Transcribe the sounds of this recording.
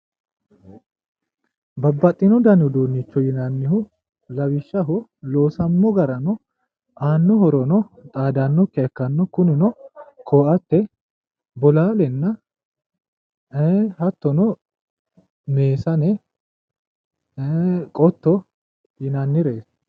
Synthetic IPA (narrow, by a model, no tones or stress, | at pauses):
bɐbːɐt̪ʼːɪnɔd̪ɐnʊd̪oːnːɪt͡ʃːɔjɪnɐnːɪɦʊ | lɐwɪʃːɐɦʊloːsɐmːɔɡɐɾɐnɔ | ʔaːnːɔhɔɾɔnɔt̪ʼaːd̪ɐnːɔkːɛɐkːɐnːɔkʊnɪnɔkʰoːʔɐt̪ːɛ | bɔlaːlɛnːɐ | hɐt̪ːɔnɔ | ne̞ːsɐnɛ | kʼɔt̪ːɔ | jɪnɐnːɪɾe̞ːs